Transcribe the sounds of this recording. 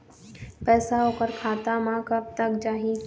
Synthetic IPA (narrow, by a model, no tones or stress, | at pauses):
pɛːsaɦoːkəɾkʰaːt̪amãkəb̚t̪əkd͡ʒaːɦi